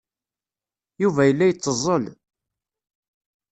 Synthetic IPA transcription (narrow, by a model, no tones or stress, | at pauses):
juvæjəlːæjət͡sˤːəzˤəl